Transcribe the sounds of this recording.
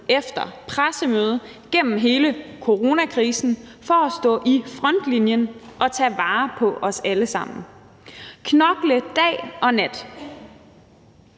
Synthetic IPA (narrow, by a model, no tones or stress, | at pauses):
efd̥ɐpʰʁasəmøːð̞ˠ | ɡ̥en̰m̩ɦe̝ːləkʰo̝ʁo̝nækʰʁiːsn̩fɒsd̥ɔ̰̽ːʔifʁɒn̰d̥linjənʔɒ̽t͡sʰɛ̰ːʋɑ̈ːpʰɒ̽ʔɒ̽sæləsɑ̈m̰n̩ | kʰnɒɡ̥ləd̥ɛ̰ːʔɒ̽næd̥